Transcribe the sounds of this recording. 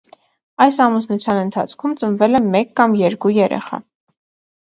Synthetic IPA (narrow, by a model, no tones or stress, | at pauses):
ɑjsɑmusnut͡sʰjɑnənt̪ʰɑ̰t͡sʰkʰumt͡sənvɛlɛmɛkːɑmjɛɾkujɛɾɛ̰χɑ̰